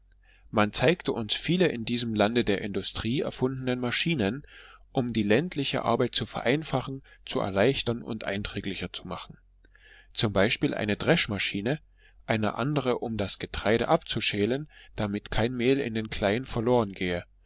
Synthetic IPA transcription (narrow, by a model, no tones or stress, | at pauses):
mant͡saɪktəʔʊnsfiːləʔɪndiːzəmlandədeːɐɪndʊstʁ̥iːɛ̰ɐfʊndənənmaʃiːnənʔʊmdiːlɛntʰlɪçə̰ʔa̰ɐbaɪt̚t͡sufɛɐʔaɪnfaχn̩t͡suɛ̰ɐlaɪçtɐnʊ̰ntʔa̰ɪntʁ̥ɛːɡlɪçɐt͡sumaχn̩ | t͡sʊmbaɪʃpiːlʔa̰ɪnədʁɛʃmaʃiːnə | ʔaɪnə̰ʔa̰ndəʁəʔʊmdasɡ̥ətʁ̥aɪɾə̰ʔapt͡suʃeːlənd̥amɪtkʰaɪnmeːlɪ̰ndeːnkʰl̥aɪənfɛɐloːʁənɡeːə